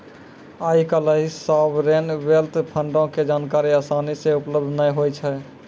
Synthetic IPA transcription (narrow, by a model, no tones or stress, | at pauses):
aːikələɦisabɾenbelt̪pʰəɳɖõked͡ʒaːnkaɾiaːsanisẽupləb̚d̪ʱnəɦojt͡ʃʰɛ